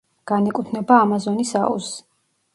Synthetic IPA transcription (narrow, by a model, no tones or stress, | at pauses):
ɡ̥anɛkʼut̪ʰnɛbaːmazɔnisa̰ṵs